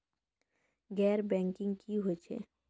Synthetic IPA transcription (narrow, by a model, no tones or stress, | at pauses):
ɡɛːɾbɛ̃ːŋkɪ̃ŋɡkʰiɦot͡ʃʰḛː